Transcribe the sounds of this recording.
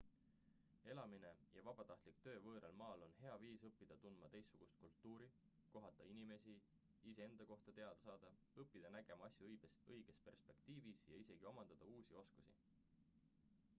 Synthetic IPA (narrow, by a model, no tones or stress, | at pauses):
e̞lɑmine̞jɑvɑb̥ɑt̪ɑht̪likt̪ø̞ːvɤːɾelmɑːlo̞nɦe̞ɑviːsɤpːid̪̥ɑt̪und̪̥mɑt̪e̞jsːuɡ̥ust̪̚kult̪ːˑuːɾi | ko̞ɦɑt̪ːˑɑinime̞si | ise̞e̞nd̪ɑko̞ht̪ɑt̪e̞ɑd̪̥ɑsɑːd̪̥ɑ | ɤpːˑid̪̥ɑnæɡ̥e̞mɑɑsʲjuɤjɡ̥esɤjɡ̥e̞spe̞rspe̞kt̪iːvisjɑ̰ise̞ɡ̥io̞mɑnd̪̥ɑd̪̥ɑuːsʲio̞skusḭ